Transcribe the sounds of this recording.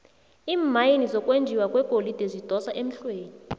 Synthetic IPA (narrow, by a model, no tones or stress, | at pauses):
iːmajinizɔkʼwend͡ʒʱiwakʼwɛɡ̥ʱolid̥ʱezid̥ʱɔsaʔem̩ɬweːni